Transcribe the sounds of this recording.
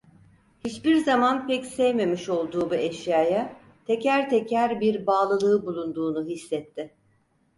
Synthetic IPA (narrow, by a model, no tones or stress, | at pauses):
hit͡ʃbiɾzamanpɛcsɛjme̞miʃo̞lˠd̪uːbuɛʃjaːja | t̪ʰecæɾt̪ʰecʰæɾbiɾbaːlˠɯlˠɯɯbulˠund̪uːnuɦisːɛt̪ʰːɪ